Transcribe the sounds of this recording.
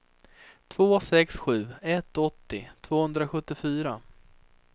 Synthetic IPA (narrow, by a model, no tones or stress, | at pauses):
t̪ʰvoːsɛksɧʉ̟ːɛt̪ːɔt̪ːɪt̪ʰv̥oːhɵnd̪ɾaɧɵt̪ːɪfyːɾa